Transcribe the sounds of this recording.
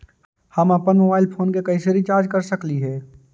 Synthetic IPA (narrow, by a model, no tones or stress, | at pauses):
həmɐpənmoːbaːɪlpʰoːnkekɐɪseɾit͡ʃaːɾd͡ʒkəɾsəkliɦɛː